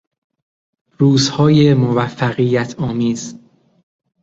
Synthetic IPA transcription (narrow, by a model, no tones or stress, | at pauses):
ɾuːzhɒːjemovæfːæɣijːæt̪ʰɒːmiːz